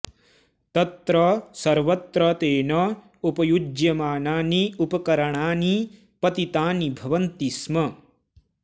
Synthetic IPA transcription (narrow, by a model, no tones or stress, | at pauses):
t̪ɐt̪ɾɐsɐɾʋɐt̪ɾɐt̪eːnɐ | upɐjud͡ʒjɐmaːnaːniupɐkɐɾɐɳaːni | pɐt̪it̪aːnibʱɐʋɐnt̪ismɐ